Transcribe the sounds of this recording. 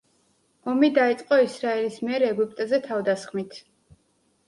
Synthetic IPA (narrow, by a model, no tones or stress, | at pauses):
ɔmid̪ait̪sʼqʼɔisɾaɛlismiɛɾɛɡup̚ʰʼt̪ʼzɛt̪ʰavd̪asχmit̪ʰ